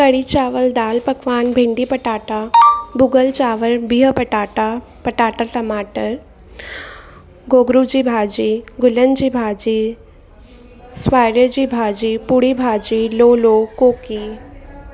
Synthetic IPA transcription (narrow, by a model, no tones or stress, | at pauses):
kəɽit͡ʃaːʋəld̪aːlpəkʋaːnbʱeɳɖipəʈaːʈabuɡəlt͡ʃaːʋəlbiːɦəpəʈaːʈa | pəʈaːʈaʈəmaːʈəɾ | ɡoːɡɾud͡ʑiːbʱaːd͡ʑiɡʊlənd͡ʑibʱaːd͡ʒi | sʋaːjɾəd͡ʑibʱaːd͡ʑiːpuɽibʱaːd͡ʒiːloːlokoːki